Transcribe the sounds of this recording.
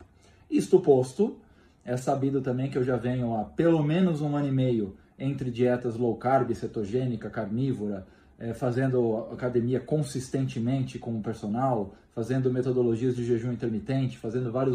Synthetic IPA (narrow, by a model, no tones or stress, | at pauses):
ist̪ʊpost̪ʊ | ɛsabid̪ʊt̪ɐ̃mbẽj̃kɪewʒavẽɲʊapelomẽnʊzũɐ̃nʊimejʊ | ẽnt̪ɾɪd͡ʒiɛt̪ɐzlowkaɾbɪset̪oʒẽnikɐkaɾnivoɾɐ | ɛfazẽnd̪ʊakad̪emiɐkõsist̪ẽnt͡ʃɪmẽnt͡ʃɪkõw̃ʊpeɾsonawfazẽnd̪ʊmet̪od̪oloʒiɐzd͡ʒɪʒeʒũĩnt̪eɾmit̪ẽnt͡ʃɪ̥fazẽnd̪ʊvaɾjʊ